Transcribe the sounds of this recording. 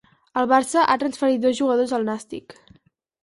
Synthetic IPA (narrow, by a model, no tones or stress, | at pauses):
əlˠβaɾsəʔat̪ɾənsfəɾit̪̚d̪ɔzʒuɣəðozəlˠnast̪ḭk